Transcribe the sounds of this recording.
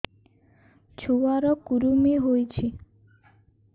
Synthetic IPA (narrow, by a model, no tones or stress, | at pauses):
t͡ʃʰuwaɾɔkuɾumiɦojt͡ʃʰi